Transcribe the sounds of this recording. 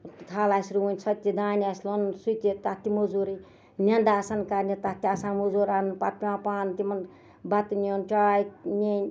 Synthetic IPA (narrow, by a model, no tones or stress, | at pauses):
t̪ʰalaːsɾuunʲsɐt̪ʲːid̪aːnʲaslonsut̪it̪at̪imud͡zuɾi | nʲɐnd̪asɐnkaɾnet̪at̪iasãnmuzuɾanpat̪̚pimãːpaːnt̪imɐn | bat̪nont͡ʃaːjinenʲ